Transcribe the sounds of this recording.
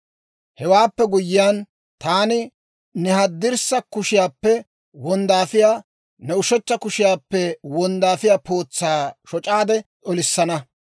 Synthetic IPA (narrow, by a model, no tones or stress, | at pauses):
hɛwaːpːɛɡʊjːɪjaːn | t̪aːnɪ | nɛhɐd̪ːɪɾsɐkʊʃɪjaːpːɛ | wɔnd̪aːfɪjaː | nɛʊʃɛt͡ʃːɐkʊʃɪjaːpːɛwɔnd̪aːfɪjaːpʰo̞ːt͡sːaːʃɔt͡ʃʼaːd̪ɛʔɔlɪsːɐnɐ